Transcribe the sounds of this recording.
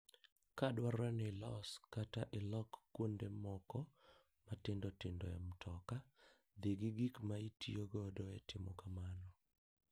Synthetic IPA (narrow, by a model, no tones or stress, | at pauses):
kadwaɾanɪlɔskataʔelɔkːwondemɔkɔ | matɪndɔtɪndɔ̰ja̰mtʰɔka | d̪iɡiɡikmaitʰioɡɔdɔɛtɪmɔkamanɔ